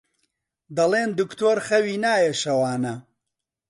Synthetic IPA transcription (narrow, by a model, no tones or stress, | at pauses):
d̪ɐlˠeːnd̪ukt̪ʰoːɾχɐwiːnaːjeʃɐwaːnɐ